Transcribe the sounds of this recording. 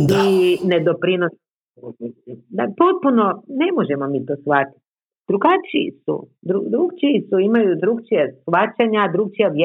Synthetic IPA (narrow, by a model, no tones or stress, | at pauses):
ined̪opɾinos | d̪apo̞t̪̚punone̞moʒemomiːt̪o̞ːsʋat̪i̥t̪ | d̪ɾuɡat͡ʃiḭsṵd̪ɾud̪ɾuɡt͡ʃiːsuimajud̪ɾukt͡ʃijesʋat͡ʃaɲad̪ɾuɡ̚t͡ʃijaʋje